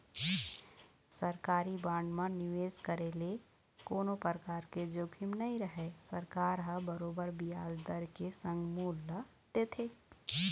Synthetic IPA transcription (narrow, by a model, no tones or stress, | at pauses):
səɾkaːɾibãːɳɖmãnɪʋeːzkəɾeːle | koːnopəɾkaːɾked͡ʒoːkʰɪmnɐĩɾəɦesəɾkaːɾɦəbəɾoːbəɾbijaːd͡ʒd̪əɾkesə̃ŋɡmuːlːa | t̪et̪ʰeː